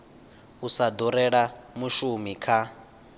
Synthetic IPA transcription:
usad̪ɔɾɛɺamuʃumikʰa

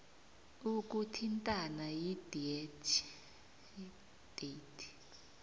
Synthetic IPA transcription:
uk̬ʼutʰintʼanajid̥iɛtʰ | d̥etʰ

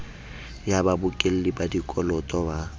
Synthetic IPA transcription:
jababʊkʼel̩lɪbadikʼɔlɔtʼɔba

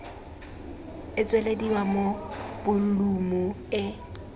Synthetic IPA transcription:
ɪt͡sʼweledibamob̥ʊn̩lumʊ | ɪ

